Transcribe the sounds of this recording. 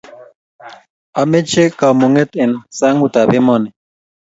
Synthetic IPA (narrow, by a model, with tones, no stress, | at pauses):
a˨mɛ˦t͡ʃe˦ka˨mu˨ŋɛ˦t̪ɛ˨nsa˦ŋu˨ta˨bɛ˦mɔ˦˨nɛ˨